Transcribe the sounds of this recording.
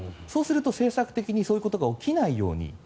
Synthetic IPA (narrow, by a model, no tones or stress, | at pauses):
so̞ːsɨɾɯ̟t̪o̞se̞ːsakɯ̟t̪e̞kʲiɲ̟iso̞ːjɯ̟ko̞t̪oɡaokʲinaijo̞̰ːɲ̟ḭ